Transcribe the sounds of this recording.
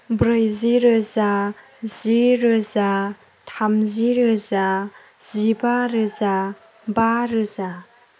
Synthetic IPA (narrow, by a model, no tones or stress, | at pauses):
bɾɯjziɾɯza | ziɾɯza | tʰamziɾɯza | z̥ibaɾɯza | baɾɯza